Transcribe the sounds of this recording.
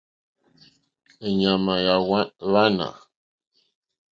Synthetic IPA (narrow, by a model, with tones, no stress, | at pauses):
ə˨ɲa˨ma˨ja˨wa˦βa˦nã̰˨